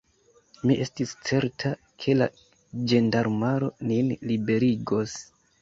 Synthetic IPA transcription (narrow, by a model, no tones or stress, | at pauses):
miʔe̞stist͡se̞ɾtʰa | kʰe̞la | d͡ʒe̞ndaɾmaɾo̞ninlibe̞ɾiɡo̞s